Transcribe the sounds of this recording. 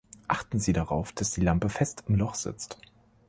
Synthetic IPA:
ʔaχtn̩ziːdaʁaʊfd̥asd̥iːlampəfɛstʰɪmlɔχz̥ɪ̰t͡st

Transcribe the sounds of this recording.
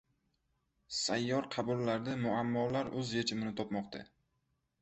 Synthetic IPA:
sajːɒɾqʰɑbʊlːaɾd̪amʊamːɒlaɾɵzjet͡ʃʰɪmɪnɪt̪ʰɒpmɒqt̪ʰa̰

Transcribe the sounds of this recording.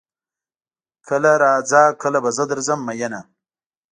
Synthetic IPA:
kʰəlaɾaːd͡zaːkəlabɐzəd̪əɾzɐmːɐjɐna

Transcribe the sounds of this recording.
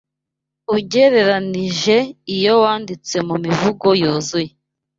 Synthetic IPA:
uɟe̞ɾe̞ɾaniʒe̞ijo̞waːndit͡swe̞mumivuɡo̞joːzuje

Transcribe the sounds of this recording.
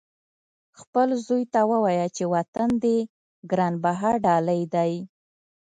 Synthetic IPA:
xpəlzojt̪awəwɑjat͡ʃewat̪and̪e | ɡɾɑnbaɦaɾɖɑləjd̪aj

